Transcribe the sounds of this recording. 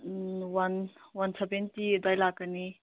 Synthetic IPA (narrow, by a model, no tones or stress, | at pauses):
wanwansabentidajlakːəni